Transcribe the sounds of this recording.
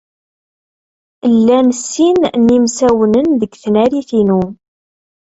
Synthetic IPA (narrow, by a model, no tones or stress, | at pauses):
lːænəsːinnimsæwənənðəɡθnæɾiθinu